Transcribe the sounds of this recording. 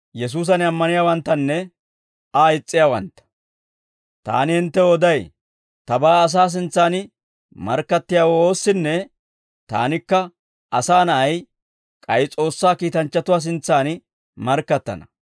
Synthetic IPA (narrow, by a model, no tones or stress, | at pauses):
jɛs̬uːs̬ɐnɐmːɐnɪjaːwɐnt̪ːɐnːɛ | aɪt͡sʼːɪjaːwɐ̰nt̪ːɐ̥ | t̪a̰ːnɪhɪnt̪ːɛɔd̪ɐj | t̪ɐbaːs̬aːs̬ɪnt͡sːaːnɪ | mɐ̰ɾkːɐt̪ːɪjaːwɔo̞ːsːɪnːɛ | t̪a̰ːnɪkːɐ | ʔɐsaːnɐʔɐj | kʼɐjɪt͡sʼo̞ːsːaːkiːt̪ɐnt͡ʃːɐt̪ʊwaːs̬ɪnt͡sːaːn | mɐɾkːɐt̪ːɐ̰nɐ